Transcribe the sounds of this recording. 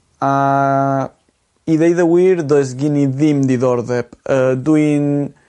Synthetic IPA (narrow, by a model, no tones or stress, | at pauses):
a | iðejðəwiːɾðɔjs̬ɡɪniðɪmd̪iðɔɾðɛpədwin